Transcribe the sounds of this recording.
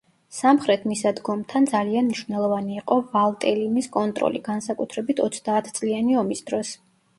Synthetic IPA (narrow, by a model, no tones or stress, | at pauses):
samχɾɛt̪ʰmisad̪ɡɔmt̪ʰand̪zalianmniʃvnɛlˠɔvaniːqʼɔvalˠt̪ʼɛlimiskʼɔnt̪ʼɾɔ̰lḭɡansakʼut̪ʰɾɛbit̪ʰɔt̪sʰd̪aːt̪ʰt̪sʼlianiɔmisd̪̥ɾɔs